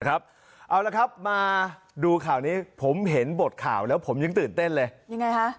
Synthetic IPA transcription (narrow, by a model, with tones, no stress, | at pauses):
kʰa˦˥p̚ | ʔa˧wla˧kʰa˦˥p̚maː˧ | duː˧kʰaː˨˩wniː˦˥pʰo˩˦mɦe˩˦nbo˨˩t̪̚kʰaː˨˩wlɛː˦˥wpʰo˩˦mjɯ˧ŋt̪ɯː˨˩nt̪e˥˩nlɤː˧jja˧ŋːa˧jkʰa˦˥ʔ